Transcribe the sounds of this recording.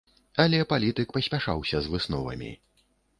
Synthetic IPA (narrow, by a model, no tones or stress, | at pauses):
ɐlʲɛpalʲit̪ɨkpɐsʲpʲaʂa̰wsʲɐzvɨsnɔ̰vɐ̰mʲḭ